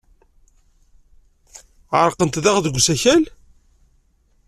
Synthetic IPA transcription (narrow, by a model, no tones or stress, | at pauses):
ʁəɾˤqənt̪ðæʁðəɡʷːsæçæl